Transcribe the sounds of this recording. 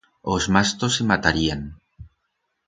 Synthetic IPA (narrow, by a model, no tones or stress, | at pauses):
ozmast̪osemat̪aɾiaŋ